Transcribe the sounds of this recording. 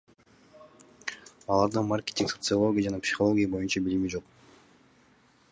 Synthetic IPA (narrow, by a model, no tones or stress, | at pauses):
ɑlˠɑɾd̪ɯnmarkʲet̪ʲiŋksot̪sɨolˠo̞ɡʲɪjad͡ʒɑnɑpsʲi̥χolˠoɡʲijabo̞junt͡ʃɑbilimid͡ʒo̞q